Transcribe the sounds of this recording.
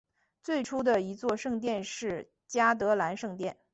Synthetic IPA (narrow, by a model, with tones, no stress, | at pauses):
t͡swe˥˩ɪʈ͡ʂʰu˥d̪ə˨i˧˥t͡swɔ˥˧ʂɤ˥˧ŋt̪̬jɛ˥˧nʂɻ̩˥˩ | t͡ɕja˥t̪ɤ˧˥la˧˥nʂɤ˥˧ŋt̪jɛ˥˩n